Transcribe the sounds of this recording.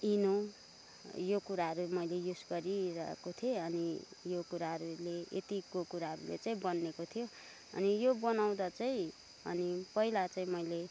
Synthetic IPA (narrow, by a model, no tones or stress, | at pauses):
ino | jokuɾaɦʌɾumʌjlejusɡʌɾiɾʌḛkot̪ʰieʌnijokuɾaɦʌɾuleḛt̪ikokuɾaɦʌɾṵlḛt͡saĩbʌnːekot̪ʰijo | ʌ̰nijobʌnaw̃d̪ʌt͡saĩ | ʌ̰nipʌilat͡saĩmʌjle